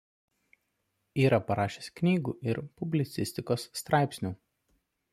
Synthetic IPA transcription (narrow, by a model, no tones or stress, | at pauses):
iːɾɐpɐɾɑːʃʲesknʲiːɡṵːʔɪɾpʊbʲlʲɪt̪sʲɪsʲt̪ʲɪkoːsːt̪ɾɑˑɪpʲsʲnʲuː